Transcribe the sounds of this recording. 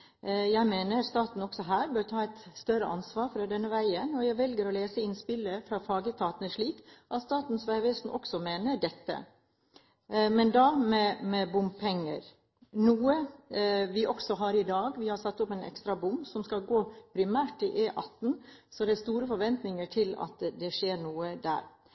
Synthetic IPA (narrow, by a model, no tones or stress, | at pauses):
jæɪmeːnəɾst̪ɑːt̪n̩ɔksɔɦæːɾbøːɾt̪ʰɑːɛɪt̪st̪œɾəʔɑ̰nsʋɑːɾfɾɑd̪ɛnːəʋæɪənɔjæɪʋɛlɡəɾɔleːsəɪnspɪlːəfɾɑfɑːɡət̪ʰɑːt̪næʂɭiːkʔɑt̪st̪ɑːt̪n̩sʋæɪʋeːsn̩ʔɔ̰ksɔmeːnəɖɛt̪ːə̰ | mɛnd̪ɑmɛmɛbʊmbpʰɛŋːə̰ɾ | nuːə | ʋɪʔɔksɔɦɑɾɪd̪ɑːɡʋɪhɑɾsɑt̪ːʊpɛnɛ̰kst̪ɾɑbʊmbsɔmskɑlɡoːpʰɾɪmæːʈɪʔeːʔɑt̪ːn̩sɔd̪ɛæst̪uːɾəfɔɾʋɛnt̪nɪŋəʈʰɪlɑ̰t̪d̪ɛʂeːɾɳuːəd̪æ̰ːɾ